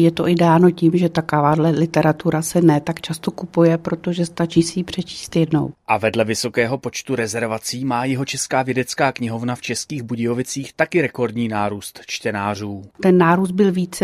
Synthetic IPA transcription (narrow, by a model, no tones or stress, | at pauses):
jɛt̪o̞ʔɪdɛaːno̞cimʒɛt̪akavaːdlɛlɪt̪ɛɾat̪uɾasɛnɛːt̪akt͡ʃast̪okupujɛpɾo̞t̪o̞ʒɛst̪at͡ʃiːsɪjipr̝̥ɛt͡ʃi̥ːst̪jɛdno̞̰wʔavɛdlɛvɪso̞kɛːɦo̞pot͡ʃt̪uɾɛzɛɾvat͡siːmaːjɛɦo̞t͡ʃɛskaːvjɛdɛt͡skaːkɲɪɦo̞vnaft͡ʃɛskiːɣbuɟɪjovɪt͡siːxt̪akɪɾɛko̞ɾdɲiːnaːɾuːst̪t͡ʃt̪ɛnaːr̝uːt̪ɛnːaːɾuːs̬t̪̚bɪlviːt͡sɛ